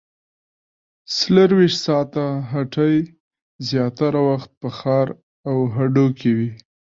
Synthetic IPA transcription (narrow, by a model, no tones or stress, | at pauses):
sləɾwiʃt̪sɑt̪aɦaʈəj | zjɑt̪aɾawaxt̪̚pəxɑɾ | awɦaɖokʰewi